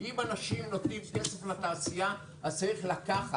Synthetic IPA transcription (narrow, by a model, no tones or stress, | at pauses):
ʔimanaʃimnot̪nimkeseflat̪aːsija | azt͡saɾiχlakaχa